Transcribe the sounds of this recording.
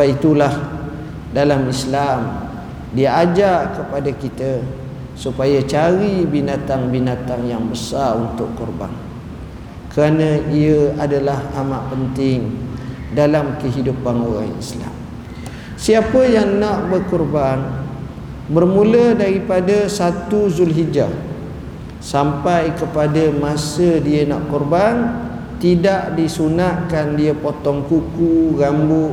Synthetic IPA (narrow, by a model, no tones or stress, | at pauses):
ait̪ulah | dalamislam | diaad͡ʒakəpadakit̪ə | supajat͡ʃaɾibinat̪aŋbinat̪aŋjaŋbəsaɾunt̪ʊʔkɔrba̰ŋ | kəɾanə̃iəadalahamaʔpənt̪ɪŋ | dalamkəɦidupanuɾa̰ŋḭsla̰m | siapəjaŋnaʔbərkɔrban | bərmũlədaɾipadasat̪uzulɦid͡ʒa | sampajkəpadamãsədiənaʔkɔrban | t̪idaʔdisunaʔkandiəpɔt̪ɔŋkukuɣambʊʔ